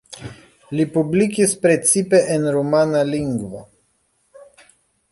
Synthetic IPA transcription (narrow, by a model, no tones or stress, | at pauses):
lipublikispɾe̞t͡sipe̞ʔenɾomanaliŋɡvo̞̰